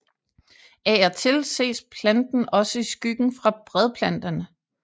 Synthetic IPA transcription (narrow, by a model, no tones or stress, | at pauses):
ææɐt͡sʰe̝lse̝̰ːspʰlænd̥n̩ɒ̽səisɡ̥yɡ̥n̩fʁɑ̈b̥ʁɛð̞ˠpʰlæn̰d̥ɐnə